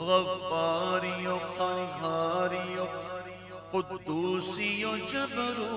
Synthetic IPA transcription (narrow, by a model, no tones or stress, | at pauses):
ɣɐaːɾijõqaːɡʱaːɾijo | qʊd̪ːuːsijõt͡ʃɐbɐɾu